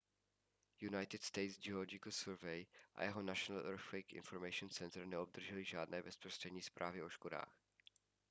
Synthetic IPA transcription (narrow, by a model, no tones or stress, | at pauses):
junajt̪ɪt̪st̪ɛjt̪zd͡ʒɛoolod͡ʒɪkəl̩sɛɾvɛjʔa̰jɛɦonaʃonalʔɛɾflikɪ̰nfoɾmɛjʃʊnsɛnt̪ɾnɛob̚d̪r̩ʒɛlɪʒaːdnɛːbɛspɾost̪r̥ɛdɲiːspɾʔaːvɪʔo̞ʃkoda̰ːx